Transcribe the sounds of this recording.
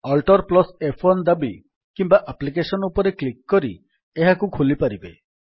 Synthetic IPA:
ɔlʈɔɾplɔsepʰond̪abi | kimbaʔaplik̬esɔnɔupɔɾeklikːɔɾi | eɦakukʰulipaɾibḛ

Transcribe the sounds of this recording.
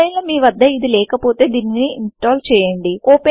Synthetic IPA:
ɐjlɐmiːʋɐd̪ːɐid̪ilɛːkɐpo̞ːt̪e̞ːd̪iːnːiniinsʈaːlt͡ʃɛːjɐɳɖioːpe

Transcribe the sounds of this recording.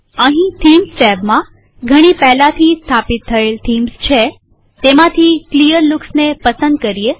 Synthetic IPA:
əɦĩt̪ʰimst͡ʃɛbmã | ɡʱəɽ̃ipɛɦlãt̪ʰist̪ʰapit̪ʰːəelt̪ʰimst͡ʃʰe | t̪emãt̪ʰiklijəɾluksnepəsə̃nd̪̚kəɾije

